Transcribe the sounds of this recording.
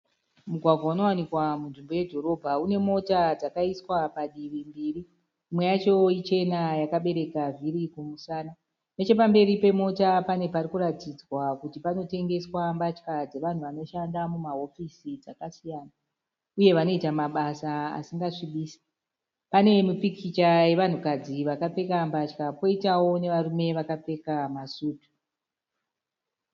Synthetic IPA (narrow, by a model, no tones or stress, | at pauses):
muɡʱwaɡʱwauno̞wanikwamunʐimbo̞jedʱo̞ɾo̞bʱaune̞mo̞tad͡zakaiswapaɗirimbiːriː | mwe̞jat͡ʃo̞it͡ʃe̞najakaɓe̞ɾe̞kaviɾikumusaːna | ne̞t͡ʃe̞pambe̞ɾipe̞mo̞tapane̞parikuɾatid͡zwakutipano̞te̞ŋɡe̞swambat͡ʃkad͡ze̞ʋan̤uʋano̞ʃandamumaɦo̞fisid͡zakasijaːna | uje̞ʋano̞itamaɓasaa̰siŋɡaʂiɓiːsi̥ | pane̞mipikʰit͡ʃaje̞ʋan̤ukad͡ziʋakape̞kambat͡ʃkapo̞itawo̞ne̞ʋaɾume̞ʋakap͡fe̞kamasuːtu̥